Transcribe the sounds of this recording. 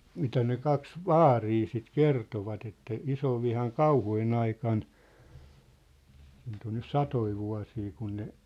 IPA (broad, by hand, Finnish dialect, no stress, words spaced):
mitæ ne kɑks ʋɑːriː sit kertoʋɑt etːæ isoʋːihɑn kɑuhujen ɑikɑn siːnt on nys sɑtoi ʋuɑ̝siː kun ne